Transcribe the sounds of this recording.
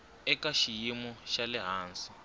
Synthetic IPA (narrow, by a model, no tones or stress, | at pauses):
ɛkaʃijimɔʃalɛɦaːnsi̥